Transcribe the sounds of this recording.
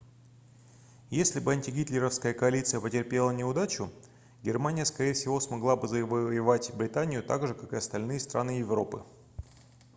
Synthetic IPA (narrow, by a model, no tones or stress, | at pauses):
jesʲlʲɪbɨɐnʲtʲɪɡʲit̪lʲɪɾəfskəjəkɐɐlʲit̪sɨjəpətʲɪrpʲe̞lˠənʲɪʊd̪at͡ɕʊ | ɡʲɪrmanʲɪjəskɐɾʲejɪfsʲɪvo̞smɐɡlˠabɨzəɪvəjɪvatʲbɾʲɪt̪anʲɪjʊt̪aɡʐɨkakɨɐst̪ɐlʲnɨjəst̪ɾʔa̰nɨjɪvro̞pɨ̰